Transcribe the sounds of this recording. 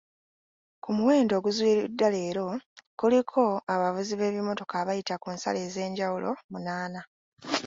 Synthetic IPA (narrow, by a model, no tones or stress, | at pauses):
kumuwe̞ːndo̞ːɡuzwiːɾidːale̞ːɾo̞kulikʰo̞aβavuziβe̞ːβimo̞to̞kaβajitakuːnsa̰le̞ːze̞ːɲɟawulʔo̞̰munaːna